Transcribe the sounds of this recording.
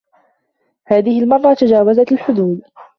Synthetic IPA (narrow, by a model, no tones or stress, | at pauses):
haːðɪhɪlmɑrˤːɑt̪ad͡ʒaːwazat̪alħʊd̪uːd̪